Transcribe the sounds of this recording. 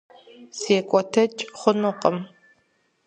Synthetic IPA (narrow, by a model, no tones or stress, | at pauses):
seːkʷʼɔtʰɐt͡ʃʼχʷʊnʊqʼəm